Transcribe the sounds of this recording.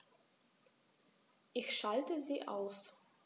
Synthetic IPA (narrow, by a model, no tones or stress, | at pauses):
ʔɪçʃaltəziːʔa̰ʊf